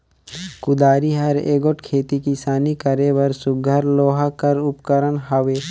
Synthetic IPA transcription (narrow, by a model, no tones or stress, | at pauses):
kʊd̪aːɾiɦɐɾeːɡoʈkʰeːt̪ikisaːnikəɾeʋəɾsʊɡʱəɾloːɦakəɾʊpkəɾənɦɐʋeː